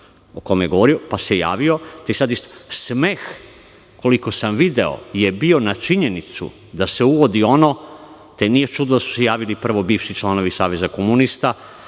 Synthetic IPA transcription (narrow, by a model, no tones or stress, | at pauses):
okojmjeɡooɾio̞paseja̰ːʋio̞t̪eisad̪ist̪o̥sme̞ːx | ko̞likosamʋid̪e̞o̞̰jebio̞nat͡ʃiɲe̞nit̪sṵ | d̪ase̞uʋo̞d̪io̞no̞ | t̪e̞nije̞t͡ʃud̪nod̪asu̥sejaːʋilipr̩ʋo̞biːʋʃit͡ʃlˠano̞ʋisaːʋe̞zakomunist̪a